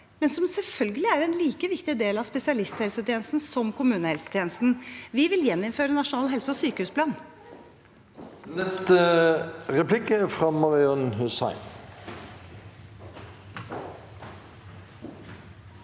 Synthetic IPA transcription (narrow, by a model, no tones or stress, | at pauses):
mɛnsɔmsɛlfœlɡəlɪæɾɛnliːkəʋɪkt̪ɪd̪eːlɑspɛsɪɑlɪst̪hɛlsət̪ʰɪeːnəst̪n̩sɔmkʰʊmʉːnəhɛlsə̥t̪ʰeːnəst̪n̩ʋɪʋɪljɛnːɪmføːɾənɑʂʊnɑːlɦɛlsəɔsyːkəhʉːspʰlɑːn | nɛst̪ə | ʁɛplɪkəfʁɑmɑʁɪɔnɦʉsɑ̰ɪn